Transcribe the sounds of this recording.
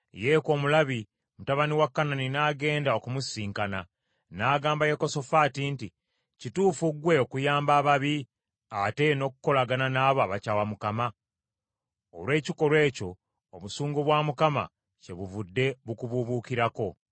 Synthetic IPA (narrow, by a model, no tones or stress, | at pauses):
jeko̞ːmulaβi | mutaβaniwakːananinaɡe̞ːndao̞kumusiːŋkana | naːɡaːmbaje̞ko̞so̞faːtinti | cituːfuɡwe̞okujaːmbaːβaβi | ate̞no̞kuko̞laɡananaːβoaβacaːwamukama | o̰lwe̞ːciko̞lwe̞ːco̞ː | βusuːŋɡoβwaːmukama̰ | ce̞βuvudːe̞βukuβuβuːkiɾako̞